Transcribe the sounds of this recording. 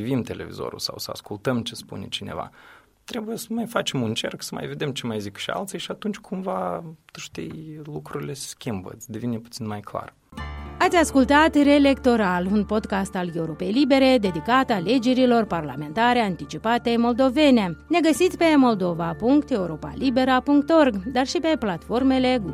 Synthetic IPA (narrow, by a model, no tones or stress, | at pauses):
ivimt̪e̞le̞̰vḭzo̞̰ɾṵlsa̰wsəa̰skult̪əmt͡ʃespṵne̞̰t͡ʃine̞̰va̰ | t̪ɾe̞bujesəmajfat͡ʃe̞munt͡ʃe̞rksəma̰jve̞d̪e̞mt͡ʃe̞majzikʃia̰lt̪sijʃiat̪unt͡ʃʲkʰumvat̪uʃt̪ḭjlukɾuɾile̞sskʲimbə̰t̪sʲd̪e̞vineput̪sinmajkla̰r | at̪sʲaskult̪at̪re̞le̞kt̪o̞ɾalunpo̞d̪kast̪ale̞uɾo̞pe̞jlibe̞ɾe̞d̪e̞d̪ikat̪ale̞d͡ʒe̞ɾilo̞rparla̰me̞nt̪aɾeant̪it͡ʃipat̪e̞jmo̞ld̪o̞ve̞ne̞ne̞ɡəsit̪sʲpe̞mo̞ld̪o̞vapuŋkt̪e̞uɾo̞pa̰libe̞ɾəpuŋk̚t̪o̞rɡd̪arʃipe̞plat̪fo̞rme̞le̞